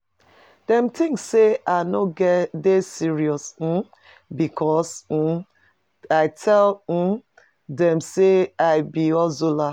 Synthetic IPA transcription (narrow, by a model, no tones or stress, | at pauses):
d̥ɛ̃mtʰĩŋksːeanoɡɛdesiɹiɔs̩ | bikʰɔs̩ | aɪtʰɛl̩ | dɛ̃mseaɪbiɔzola